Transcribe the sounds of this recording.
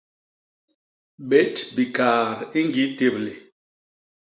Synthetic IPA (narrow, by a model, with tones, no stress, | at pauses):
be˨˦tbi˨ka˨ɾi˦ŋɡi˨˦te˨ble˨